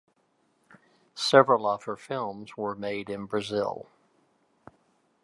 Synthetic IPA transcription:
sɛvɹəl̩ˠʌv̥hə˞fɪlˠmz̥wə˞meɪɾɨ̃nbɹɨzɪ̰lˠ

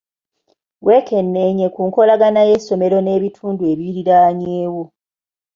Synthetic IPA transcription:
we̞ːkʰe̞nːe̞ɲe̞kuːŋko̞laɡanaje̞sːo̞me̞ɾo̞ne̞ːβitʰuːndueβiɾiɾaːɲeːwo

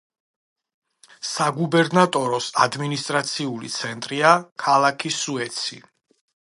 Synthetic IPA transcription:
saɡubɛɾnat̪ʼɔɾɔsad̪minist̪ʼɾat̪sʰiulḭt̪sʰɛnt̪ʼɾiakʰalˠakʰisuɛt̪sʰḭ

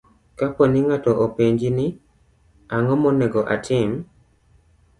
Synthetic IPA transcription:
kapɔnɪŋatɔʔopeɲd͡ʒinɪ | aŋɔmɔnɛɡɔʔa̰tʰɪm

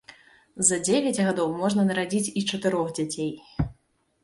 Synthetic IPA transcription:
zɐd͡zʲevʲɐd͡zʲɣad̪ɔwmɔʐnɐnɐɾad͡zʲit͡sʲit͡ʂɐt̪ɨɾɔɣd͡zʲat͡sʲej

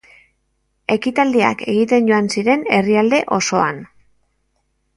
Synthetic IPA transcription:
e̞kit̪ald̪ea̰ke̞ɣit̪e̞nɟo̞ansiɾe̞ne̞riald̪e̞ʔo̞so̞an

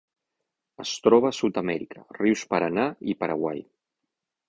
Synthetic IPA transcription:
əst̪ɾɔβ̞əsut̪əmɛɾikʰəriwspəɾanaipəɾə̰ɣwa̰j

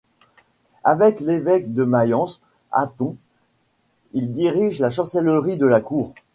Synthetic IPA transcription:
avɛklevɛkd̪əmajɑ̃s | a̰t̪ɔ̃ | ild̪iʁiʒlaʃɑ̃sɛlʁid̪əlakuːʁ

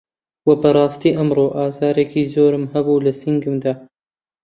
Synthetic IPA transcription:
wɐbɐɾˤɑːst̪iːʔɐmroːʔaːzɑːɾekʰiːzoːɾɨmhɐbuːlɐsiŋɡɨmd̪aː

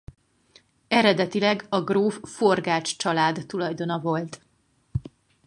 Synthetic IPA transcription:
ɛɾɛd̪ɛt̪ilɛɡɒɡroːfforɡaːt͡ʃt͡ʃɒlaːd̪ːulɒjd̪o̞nɒvo̞lt̪

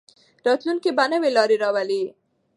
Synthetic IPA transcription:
ɾɑt̪lunkibanəwelɑɾeɾɑwali

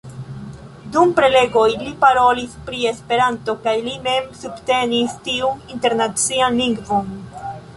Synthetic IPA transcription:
dumpɾe̞le̞ɡo̞jlipaɾo̞lispɾie̞spe̞ɾanto̞kajlime̞msubte̞nistiuninte̞ɾnat͡sianliŋɡvon

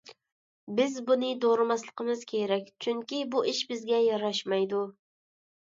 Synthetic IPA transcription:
bɪzbunɨd̪oɾɨmɑslˠəqʰəmɨz̥kʲʰeɾɛk̚ʲt͡ʃʰyŋkʲibuʔiʃbɪzɡʲɛjɑɾɑʃmɑjd̪u

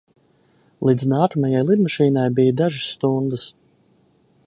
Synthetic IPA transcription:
lˠid̪znaːkamajajlˠid̪maʃiːnajbijd̪aʒɨsːt̪und̪əs

